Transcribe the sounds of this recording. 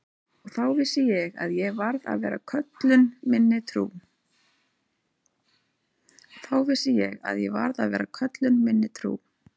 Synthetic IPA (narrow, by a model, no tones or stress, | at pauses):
ɔɣθawvɪsɪjɛɣa̰ðjɛɣvaɾða̰ðvɛːɾakʰœt̪lʏnmɪnːɪt̪ʰɾṵː | θawvɪsɪjɛɣa̰ðjɛva̰ɾðaðvɛ̰ːɾakʰœt̪lʏnmɪnːɪt̪ʰɾṵː